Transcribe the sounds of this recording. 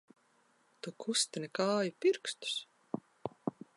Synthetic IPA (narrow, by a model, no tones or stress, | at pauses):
t̪okʰust̪enekɑːjupirkst̪u̥s